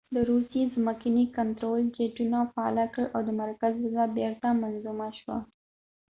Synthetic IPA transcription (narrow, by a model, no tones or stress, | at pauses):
d̪əɾusezmakinikant̪ɾold͡ʒeʈunafaɑ̰lakəɭʔawd̪əmaɾkazlʊzabeɾt̪amanzumaʃwa̰